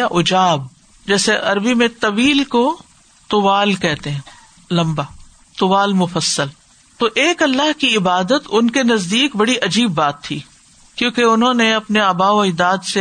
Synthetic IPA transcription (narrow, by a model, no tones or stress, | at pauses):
aʔʊd͡ʒaːb | d͡ʒɛːseʔɐɾbimẽt̪ɐʋiːlko | t̪ʊʋaːlkɛɦt̪eɦɛ̃ː | lɐ̃mbaː | t̪ʊʋaːlmʊfəsːəl | t̪oʔeːkɐlːaɦkiɪbaːd̪ət̪ʊnkenɐzd̪iːkbɐɽiʔɐd͡ʒiːbːaːt̪ʰːiː | kjõːkeʊnɦõneɐpneabaːoɪd̪aːd̪se